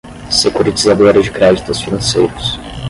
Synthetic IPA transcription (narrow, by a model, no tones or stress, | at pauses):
sekuɾit͡ʃizad̪oɾɐzd͡ʒɪkɾɛd͡ʒit̪ʊsfinɐ̃sḛjɾʊs